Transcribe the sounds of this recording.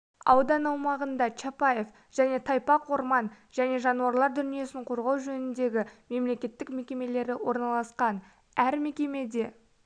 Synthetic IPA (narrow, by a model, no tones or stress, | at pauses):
ɑ̰wd̪ɑnɑwmɑʁənd̪ɑt͡ʃʰapɑje̞f | ʒ̥æne̞t̪ʰɑjpɑqwo̞ɾmɑn | ʒ̥æne̞ʒɑnuɑɾlˠɑɾd̪ʏnije̞sɪɴqʰo̞ɾʁɑwʒɵnɪnd̪e̞ɡʲɪme̞mle̞kʲe̞t̪ːɪkme̞kʲe̞me̞le̞ɾɪwo̞ɾnɑlˠɑsqɑn | æɾme̞kʲe̞me̞d̪e̞